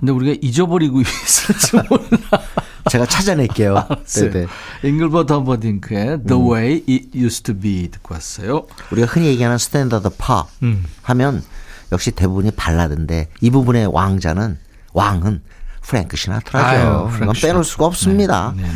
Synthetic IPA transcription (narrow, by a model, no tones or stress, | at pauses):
kɯndeuɾiɡaʔid͡ʑʌbʌɾiɡuɥiesɯsmon | t͡ɕe̞ɡat͡ɕʰad͡ʑanek͈ejoeeiŋɡɯɭbʌtʰʌmbʌdiŋkʰedəwejit̚justʰubidkʰoas͈ʌjouɾiɡahɯnje̞ɡiɦanɯnsʰtʰendadʌpʰa̰hamjʌnjʌk̚ɕ͈ite̞bubuɲipaɭːadɯnde̞̰ibubune̞wʔaŋd͡ʑa̰nɯn | wʔaŋɯnpʰɯɾḛŋkʰɯ̥ɕʰina̰tʰɯɾad͡ʑooɡʌnp͈enoɭs͈uɡaʌp̚s͈ɯmɲida̰n